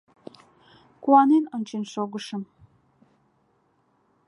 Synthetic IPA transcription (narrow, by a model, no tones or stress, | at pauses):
kuɑnenənʲt͡ɕenʃoɣə̆ʃə̆m